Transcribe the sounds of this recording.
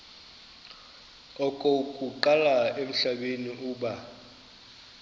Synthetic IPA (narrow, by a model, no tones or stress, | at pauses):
ɔkʼokʼuǃalaem̩ɬaɓeniʔuːɓa